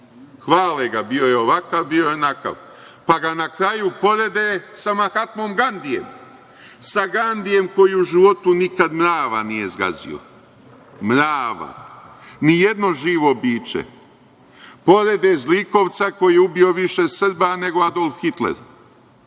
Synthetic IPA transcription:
xʋaːleɡabijo̞jeoʋakaʋbijo̞jenaka̰ʋ | paɡanakɾajupo̞ɾe̞d̪esamaxat̪mo̞ːmɡand̪ije̞̰m | saɡand̪ije̞mko̞jiuʒiʋo̞t̪unikad̪mɾaːʋa̰nije̞zɡa̰zḭo̞̰ | mɾaːʋa̰ | nije̞d̪no̞ʒiːʋo̞biːt͡ʃḛ | po̞ɾed̪ezliko̞ʋt̪sako̞jijeubio̞ʋiʃe̞sr̩bane̞ɡo̞ad̪o̞lˠfhxit̪lḛɾ

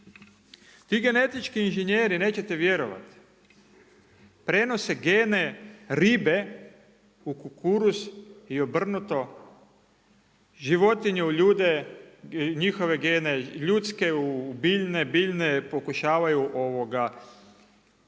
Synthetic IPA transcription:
t̪iːɡe̞ne̞t̪it͡ʃkiːnʒeɲjeːɾine̞ːt͡ɕe̞t̪eʋje̞ɾoʋa̰t̪ | pɾe̞no̞seɡeːneɾibe | ukukuɾusio̞br̩nut̪o̞ | ʒiʋo̞t̪iɲeuʎuːd̪e | ɲixo̞ʋeɡeːneʎut̪skeubiʎnebiʎnepo̞kuʃaːʋajuʔo̞ʋo̞ɡa

